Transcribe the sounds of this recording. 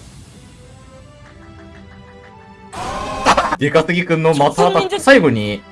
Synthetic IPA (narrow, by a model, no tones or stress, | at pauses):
d̪ʲekasɨɡʲikɯ̟̃nːo̞mat̪aːt̪asaiɡo̞ɲ̟i